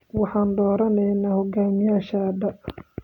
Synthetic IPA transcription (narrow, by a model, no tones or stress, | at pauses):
wɑħɑːnd̪ɔːɾɐnɛjnaːhɔɡaːmɪjaːʃɐd̪ɐ